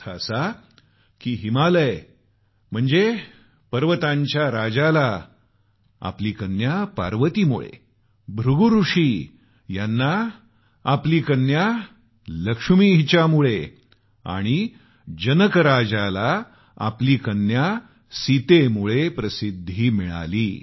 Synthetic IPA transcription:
asa | kiːɦimaləj | m̤əɳd͡ze | pəɾʋət̪ãɲt͡ɕjaɾad͡zala | a̰pliːkənjapa̰ɾʋət̪imṵɭḛ | bʱɾuɡuɾuʂi | janːaː | pliːkənja | ləkʂmiɦit͡ɕjamuɭe | a̰ɽ̃i | d͡ʑənəkəɾad͡zala | a̰pliːkənja | sit̪emuɭepɾəsid̪ʱːiːmiɭa̰liː

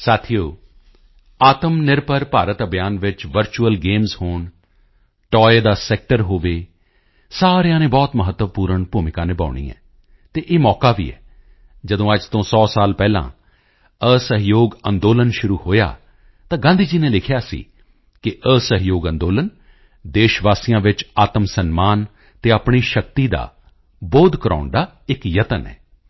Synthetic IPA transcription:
saːt̪ʰijoː | aːt̪əmnɪɾpəɾpaːɾət̪əbjaːnʋɪt͡ʃʋəɾt͡ʃuəlɡeːmzhoːɳ | ʈɔːed̪aːsɛːk̚ʈəɾɦoːʋeː | saːɾejãːnẽːbɔːt̪məɦət̪ːəʋpuːɾəɳpuːmɪkãːnẽːba̰ːʊɳ̃ḭːɛ̰̃ː | t̪eːʔeːmɔːkaːʋḭːɛ̰ː | d͡ʒəd̪õːəd͡ʒt̪õːsɔːsaːlpɛːlã̰ː | əsəɦjoːɡənd̪oːlənʃʊɾuːhoːja̰ː | t̪ãːɡãːnd̪iːd͡ʒiːneːlɪkʰjaːsḭː | kɪʔəsəɦjoːɡə̃nd̪oːlən | d̪eːʃʋaːsijãːʋɪt͡ʃaːt̪əmsənmaːn | t̪eːaːpɳiːʃək̚t̪iːd̪a̰ː | boːd̪kəɾa̰ːɳɖ̪aː | ɪkjət̪ənɛ̰ː

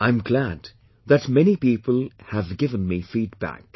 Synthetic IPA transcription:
ãɪ̃mɡlæd | ðɨtmɛnipiːpəlˠhɨvɡɪvə̃nmifiːd̚bæ̰k

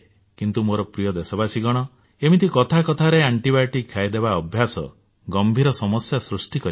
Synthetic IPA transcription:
kint̪umoɾɔpɾijɔd̪esɔbasiɡɔɽ̃ɔ | emit̪ʰikɔt̪ʰakɔt̪ʰaɾeaɳʈibaɾʈikʰːajd̪ebaɔbʱjasɔ̰ | ɡɔmbʱiɾɔsɔmɔsjasɾusʈikɔɾi

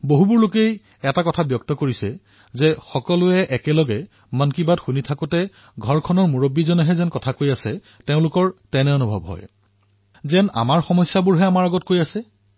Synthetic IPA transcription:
boɦubʊɹlʊkej | ɛtakɔtʰabjɔk̚tɔkoɹisɛ | zɛxɔkɔlʊɛʔɛkɛlɔɡɛ | mankibadxunitʰakʊtɛ | ɡʱɔɹkʰɔnɔɹmuɹobːizɔnɛɦɛzɛnkɔtʰakojasɛ | teʊ̃lʊkɔɹtɛnɛɔnubʱɔ̰bɦɔ̰j | zɛna̰maɹxɔmɔjsːabʊɹɦɛamaɹɔɡɔt̚kojasɛ

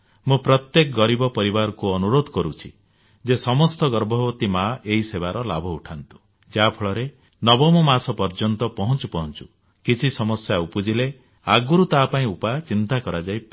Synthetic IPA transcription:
mũpɾɔt̪jekɔɡɔɾibɔpɔɾibaɾɔkuɔnuɾod̪ʱɔkɔɾut͡ʃʰi | d͡ʒesɔmɔst̪ɔɡɔɾbʱɔbɔt̪imaʔeisebaɾɔlabʱɔuʈʰant̪u̥ | d͡ʒapʰɔɭɔɾe | nɔbɔmɔmasɔpɔɾd͡ʒɔnt̪ɔpɔɦɔnt͡ʃupɔɦɔnt͡ʃu̥ | kit͡ʃʰisɔmɔsjaupud͡ʒile | aɡuɾut̪apaĩupat͡ʃint̪akɔɾad͡ʒajp

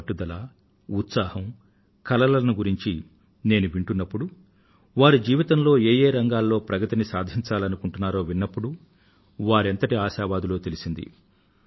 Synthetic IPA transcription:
ʈːud̪ɐlɐ | ut̪saːhɐm | kɐlɐlɐnuɡuɾiɲt͡ʃi | ne̞ːnuʋiɳʈunːɐpːuɽu | ʋaːɾud͡ʒiːʋit̪ɐmlo̞ːeːje̞ːɾɐŋɡaːlːo̞ːpɾɐɡɐt̪inisaːd̪ʱiɲt͡ʃaːlɐnukuɳʈunːaːɾo̞ːʋinːɐpːuɽu | ʋaːɾent̪ɐʈiaːʃaːʋaːd̪ulo̞ːt̪e̞lisind̪ḭ

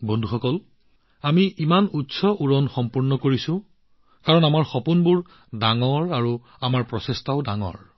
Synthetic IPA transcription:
bɔndʱuxɔkɔl | amiʔimanutsɔʔuɹɔnxɔmpuɹnɔkoɹisʊ̃ | kaɹɔnamaɹxɔpunbʊɹ | daŋɔɹaɹu | amaɹpɹɔsestaʊdaŋɔ̰ɹ

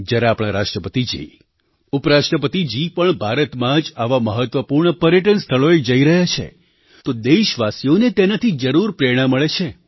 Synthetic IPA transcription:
d͡ʒjaɾeapɽ̃aɾaʃʈɾəpət̪id͡ʒḭ | upɾaʃʈɾəpət̪id͡ʒipəɳbʱaɾət̪mãd͡ʒaʋaməɦət̪ʋəpuɾɳəpəɾjəʈənst̪ʰəɭoed͡ʒəiɾəɦjat͡ʃʰḛ | t̪od̪eʃʋasijonet̪enat̪ʰid͡ʒəɾuɾpɾeɾɽ̃aməɭet͡ʃʰe

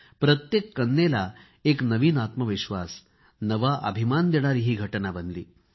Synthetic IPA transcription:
pɾət̪jekːənːela | eknəʋiːnat̪məʋiɕʋas | nəʋaʔə̰bʱimand̪eɽ̃aɾiːɦiːɡʱəʈnabənlḭː

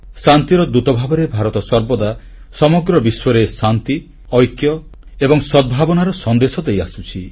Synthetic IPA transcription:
sant̪iɾɔd̪ɾut̪ɔbʱabɔɾebʱaɾɔt̪ɔsɔɾbɔd̪a | sɔmɔɡɾɔbiswɔɾesant̪i | ɔjkjɔ | ebɔŋsɔd̪̚bʱabɔnaɾɔsɔnd̪esɔd̪ejasut͡ʃʰi

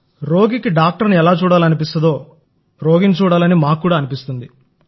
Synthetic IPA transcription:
ɾo̞ːɡikiɖaːk̚ʈɐɾniɛlaːt͡ʃuːɽaːlɐnipist̪ɐd̪o̞ː | ɾo̞ːɡint͡ʃuːɽaːlɐnimaːkːuːɽaːɐnipist̪und̪i

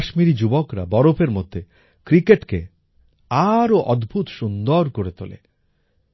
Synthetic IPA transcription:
ʃmiɾid͡ʑubokɾa̰bɔɾopʰeɾmod̪ʱːe | kɾikeʈke | aɾoʔɔd̪bʱut̪ʃund̪oɾkoɾet̪o̰lḛ

